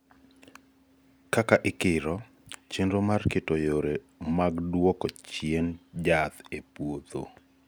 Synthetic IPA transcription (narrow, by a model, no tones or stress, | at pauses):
kakaʔɪkɪɾɔ | t͡ʃendomarkɪtojoɾe | maɡdwɔkɔt͡ʃjend͡ʒat̪epwot̪o̰